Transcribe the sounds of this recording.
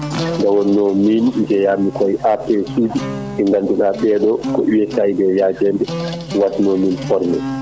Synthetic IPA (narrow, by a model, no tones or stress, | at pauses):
ŋɡawɔnːɔmind͡ʒɛjaːmikɔjʔapɛsuːd͡ʒi | ɛŋɡanduɗaɓɛɗɔkɔʔiwɛsajbɛjad͡ʒɛndɛ | watnɔminfɔɾmɛ̰